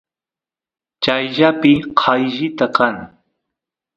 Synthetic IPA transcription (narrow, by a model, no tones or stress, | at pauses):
t͡ʃajʒapɪqʰɑjʒɪt̪akaŋ